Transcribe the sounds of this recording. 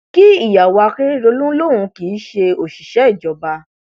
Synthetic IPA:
ki˦i˦˨ja˨wa˧ke˦ɾo˧lũ˦lo˦ɾ̃ũ˧ki˨˦ʃe˧o˨ʃi˨ʃɛ˨˦i˦˨d͡ʒɔ˨˧ba˧

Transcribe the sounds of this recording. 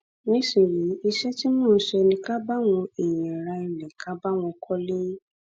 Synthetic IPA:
nĩ˨˦si˦˨ɾĩ˨˦i˧ʃɛ˦ti˦mũ˦˨˦ʃɛ˧nĩ˧ka˦ba˦w̃ɔ̃˧i˨jɛ̃˨ɾa˧i˨lɛ̃˨kʰa˨˦ba˦w̃ɔ̃˧kʰɔ˦lĩ˦

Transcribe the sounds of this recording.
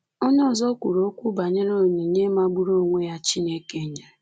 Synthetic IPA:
o˦ɲ˦ɔ˨zɔ˦kʷu˨ɾo˦o˦kʷu˦ba˨ɲe˦ɾo˦˨ɲi˨ɲe˦ma˦ɡ͡bu˦ɾo˦˨ŋʷe˦ja˦t͡ʃi˦ne˦ke˦˨ɲe˨ɾe˨

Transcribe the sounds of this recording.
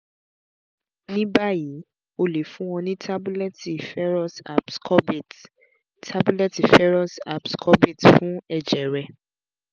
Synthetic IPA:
nĩ˦ba˦ji˨˦ | o˧le˨˦fũ˦wɔ̃˧nĩ˦tʰa˦bu˦lɛ˦ti˨fɛ˦ɾɔ˦sa̰˨pskʰɔ˦bt | tʰa˦bu˦lɛ˦ti˨fɛ˦ɾɔ˦sa̰˨pskʰɔ˦bi˦˨tfũ˦ɛ˨d͡ʒɛ˨ɾɛ˨

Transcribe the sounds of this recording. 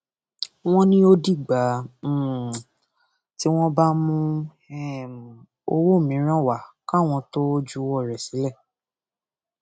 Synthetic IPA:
w̃ɔ̃˦nĩ˦o˦di˦˨ɡ͡bã˨˦˨ | ti˦w̃ɔ̃˦ba˦mũ˦ | ɛ˦˨ | o˧wo˦˨mĩ˨˦ɾ̃ã˦˨wa˨ka˦˨w̃ɔ̃˧to˦d͡ʒu˦wɔ˦˨ɾɛ˨si˨˦lɛ˦˨

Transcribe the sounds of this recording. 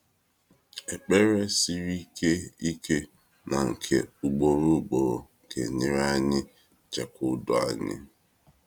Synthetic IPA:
e˨k͡pe˦ɾe˦si˦ɾi˦ke˦i˦kʰe˦ | na˨ŋ̩˨kʰḛ˨u˨ɡ͡bo˨ɾu˦ɡ͡bo˨ɾo˨kḛ˨ɲɪ˦ɾa˦ɲɪ˦ | t͡ʃe˨kʊ˦dʊ˦a̰˦ɲɪ̰˦

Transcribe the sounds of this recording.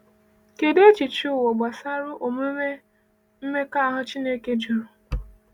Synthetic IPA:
ke˨de˦t͡ʃi˨t͡ʃi˦ʊ˦˨wo˨ɡ͡ba˨sa˦ɾʊ˦ʔo˨me˦me˦ | m̩˦me˦ka˦a˦ɦʊ˦t͡ʃi˦ne˦ke˦d͡ʒu˨ɾʊ˨

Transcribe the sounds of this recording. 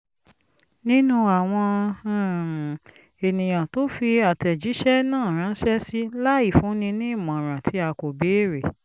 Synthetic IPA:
nĩ˦nũ˧a˨w̃ɔ̃˧a˦˨m̃˨ | e˨nĩ˨j̃ã˨to˨˦fi˧a˨tɛ˨d͡ʒi˨˦ʃɛ˦nãː˦˨ɾ̃ã˨˦n̩˦ʃɛ˦si˦la˦i˦˨fũ˨˦nĩ˧nĩ˦i˦˨mã˨ɾ̃ã˨tʰi˨˦a˧ko˨be˨˦˨ɾe˨

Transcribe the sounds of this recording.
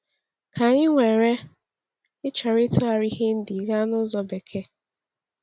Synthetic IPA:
ka˨ɲɪ˦ŋʷe˨ɾe˦ | ɪ˦t͡ʃɔ˨ɾɪ˦tʊ˦a˨ɾi˦ɦe˦n̩˦di˨ɣa˦nʊ˦zɔ˦be˨kʰe˦

